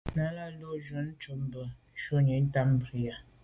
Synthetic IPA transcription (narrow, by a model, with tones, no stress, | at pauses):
na˦la˦lo˦ʒʊ˨n̩˦t͡ʃʊ˨m̩˦bʊ˨ | ʃo˦ɲe˨n̩˦ta˦m̩˦bɾi˨ja˦